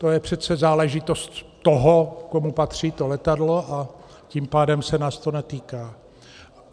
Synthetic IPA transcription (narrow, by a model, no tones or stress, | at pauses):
t̪o̞jɛpr̝̥ɛt͡sɛzaːlɛʒɪt̪o̞st̪ːoɦokomupat̪r̥iːt̪o̞lɛt̪adlo̞ʔa | cimpaːdɛmsɛnaːst̪onɛt̪iːkaː